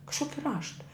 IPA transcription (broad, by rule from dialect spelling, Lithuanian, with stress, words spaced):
kɐʃˈkoːkʲɪ ˈrɑːʃtɐ